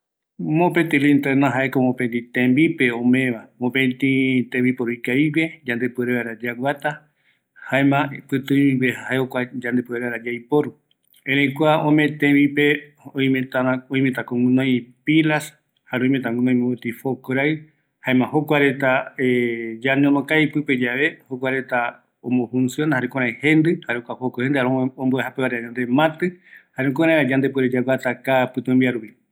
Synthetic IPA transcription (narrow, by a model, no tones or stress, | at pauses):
mõpet̪ilĩnt̪enãɦaʔekomõpẽnd̪it̪ẽmbipeõmẽʋamõpẽt̪ĩt̪ebipoɾuikaiβed͡ʒãnd̪epueɾeβaɾad͡ʒawʷat̪a | haemãpɨt̪ɨ̃iβehaaeokʷad͡ʒãnd̪epueɾeβaɾad͡ʒajpoɾu | ẽɾ̃ẽjkʷaõmẽt̪ẽbipe | õj̃mẽt̪aɾãõj̃mẽt̪ãkõŋɡunõj̃pilas | haɾeõj̃mẽt̪ãŋɡũnõĩmẽot̪ifokoɾaɨ | haẽmãhokʷaɾet̪aed͡ʒanẽõmõkajpɨped͡ʒaβe̞hok̬ʷaɾe̞t̪a | omõfũnsjonhaɾekõɾãẽhẽnd̪ɨhaɾekʷahokohend̪ɨhaɾõõmboehapeβaɾeaɲãnd̪emãt̪ɨhaɾekoɾãẽɾad͡ʒãnd̪epɨɾed͡ʒaɡʷat̪akapɨt̪ũmbiaɾupi